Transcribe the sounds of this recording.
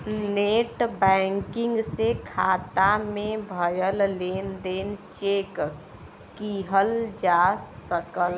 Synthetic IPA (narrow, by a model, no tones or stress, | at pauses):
neːʈbɛ̃ŋkɪ̃ŋɡsekʰaːt̪amẽbʱəjəlleːnd̪eːnt͡ʃeːk | kiɦəld͡ʒasəkəl